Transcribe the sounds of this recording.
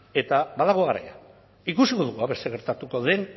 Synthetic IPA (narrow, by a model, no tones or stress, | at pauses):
e̞t̪abaðaɣoɣaɾa̰ja̰ | ikusiko̞ðuɣuaβe̞st̪eɣe̞ɾt̪at̪uko̞ðe̞n